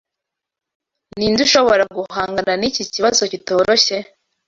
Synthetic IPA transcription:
ninduʃo̞βo̞ɾaɡuhaːŋɡananiciciβazo̞cito̞ːɾoçe̞

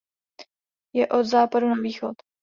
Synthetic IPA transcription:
jɛʔod̪zaːpadunaviːxot̪

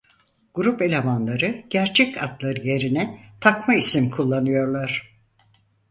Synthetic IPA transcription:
ɡ̥uɾupe̞lʲemanlˠaɾɯɟ̥æɾt͡ʃʰɛcʰat̪lˠaɾɯje̞ɾinɛt̪ʰakmaisimkʰulˠːanɯjo̞ɾlˠaɾ̥

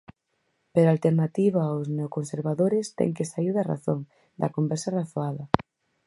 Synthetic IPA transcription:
peɾalt̪eɾnat̪iβaːwzneokonseɾβaðoɾɪst̪ɛ̰ŋkesaiɾðɐra̰θoŋ | d̪ɐkombɛɾsɐraθoaðɐ

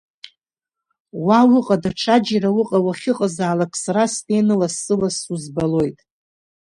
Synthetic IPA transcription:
wawʊqʼadaʈ͡ʂʰad͡ʒirawʊqʼawaχʲɪqʼazaːlakʰʼsaɾastʰʼenɨlasɨlasuzbalo̞jtʼ

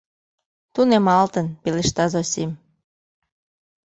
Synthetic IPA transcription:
t̪unemɑlt̪ənpeleʃt̪ɑzosim

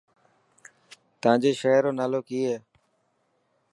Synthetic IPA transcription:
t̪ãːd͡ʒeːʃəːɦɾoːnaːloːkiːeː

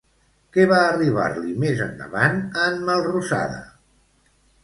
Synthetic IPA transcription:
kɛβaːriβ̞a̰ɾlimezənd̪ə̰βanəmməlˠrusa̰ðə̰

